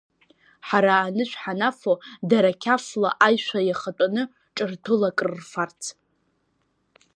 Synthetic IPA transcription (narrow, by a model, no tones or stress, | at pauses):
ħaɾaːnɨʃʷᶣħanafodaɾakʲʰaflaʔajʃʷajaχatʷʼanɨ | ʈ͡ʂʼɨrtʰɨlakʼrːfart͡sʰ